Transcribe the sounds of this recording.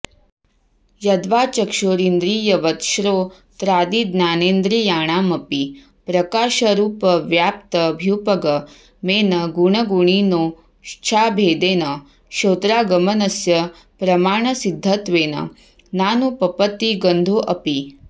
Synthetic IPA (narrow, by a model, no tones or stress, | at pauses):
jɐd̪ʋaːt͡ɕɐkʃoːɾind̪ɾiːjɐʋɐt̪ʃɾoː | t̪ɾaːd̪iːd̪naːneːnd̪ɾiːjaːɳ̃aːmɐpi | pɾɐkaːʃɐɾuːpɐʋjaːp̚t̪əbʱjupɐɡɐ | meːnɐɡuɳ̃ɐɡuɳ̃iːnoː | ʃt͡ʃʰaːbʱeːd̪eːnɐ | ʃoːt̪ɾaːɡɐmɐnɐsjɐ | pɾɐmaːɳ̃ɐsid̪ʱːɐt̪ʋeːnɐ̰ | naːnupɐpət̪ːiɡɐnd̪ʱoːʔɐpi